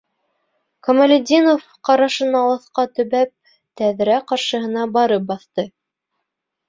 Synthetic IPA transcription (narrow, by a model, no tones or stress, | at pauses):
komɐlʲɪd̪ʲinof | qɑɾɑʃɤ̆nɑlˠɑθqɑt̪ɵ̆βæp̚ | t̪æðɾæqɑɾʃɤ̆ɦɤ̆nɑbɑɾɤp̚bɑθt̪ɤ